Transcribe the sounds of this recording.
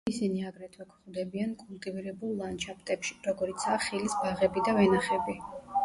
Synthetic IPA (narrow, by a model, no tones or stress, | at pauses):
isiniaɡɾɛt̪ʰwɛkʰχwd̪ɛbiankʼulˠt̪ʼiviɾɛbulˠːant͡ʃʰapʰt̪ʼɛpʃi̥ɾɔɡɔɾit̪sʰaːχilisbaʁɛbid̪avɛnaχɛbi